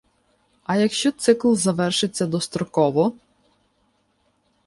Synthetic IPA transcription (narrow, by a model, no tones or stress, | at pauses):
ɐjɐkʃt͡ʃɔt̪sɪklˠzɐʋɛrʃɪt͡sʲːɐd̪ɔst̪ɾɔkɔʋɔ